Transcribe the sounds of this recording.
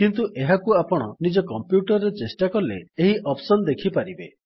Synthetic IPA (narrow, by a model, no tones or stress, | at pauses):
kint̪uʔeɦakuapɔɽ̃ɔnid͡ʒɔkɔmpjuʈɔɾːet͡ʃesʈakɔleeɦiʔɔpsɔnd̪ekʰipaɾibe